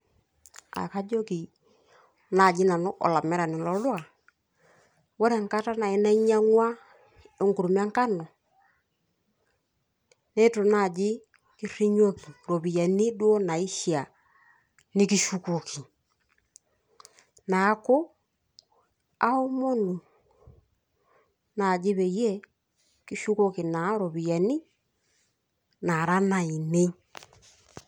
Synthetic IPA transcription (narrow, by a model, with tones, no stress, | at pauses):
a̰˨ka˦d͡ʒo˦ki˨ | na˨d͡ʒɪ˦na˨nʊ˦ʔɔ̰˨la˨mɛ˦ɾa˨nɪ˨lɔ˦lwa˨ | wo˦ɾɛ˨ŋka˦ta˦na˨i˦na˦ɲa˦ŋwa˦ | e˦ŋɡu˨ɾu˨m˦a˦ŋka˦nɔ˨ | ne˦to˨na˨d͡ʒɪ˦ | ki˦ɾ̥i˦ɲo˦ki˨ɾo˨bi˨ja˨ni˦dwo˦na˨i˦ʃi˦˨a˨ | ni˦ki˦ʃu˦ko˨kʰi˨ | na˨˦ko˦ | a˦o˦mo˦nu˨ | na˨d͡ʒe˦βɛ˨jɛ˦ | ki˦ʃu˦ko˦ki˨na˨˦ɾo˨βi˨ja˨ni˦ | na˨ɾa˦na˨i˨ne˦